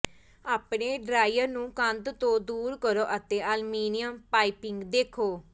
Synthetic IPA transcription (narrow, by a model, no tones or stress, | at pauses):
aːpɳeːɖɾaːjəɾnũːkə̃nd̪t̪õːd̪uːɾkəɾoːʔət̪ẽːʔəlmiːnɪjəmpaːipɪ̃ŋɡd̪eːkʰoː